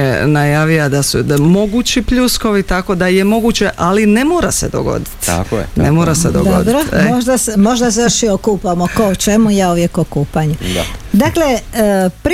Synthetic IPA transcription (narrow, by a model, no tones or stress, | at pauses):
enajaːʋiad̪asumo̞ɡut͡ɕipʎusko̞ʋit̪ako̞d̪ajemo̞ɡut͡ɕeʔalinemoːɾased̪o̰ɡo̰d̪it̪nemoɾased̪od̪odbɾoemoʒd̪asemo̞ʒd̪asjoʃjiokuːpamokoot͡ʃe̞mujauʋjekokuːpaɲud̪aklepɾ